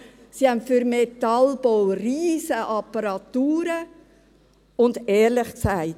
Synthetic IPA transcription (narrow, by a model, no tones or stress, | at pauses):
sihɛmfyɾmetɑlb̥owriːzəʔɑpːəɾɑt̪uːɾə | ʊndɛːɾlɪχksaɪt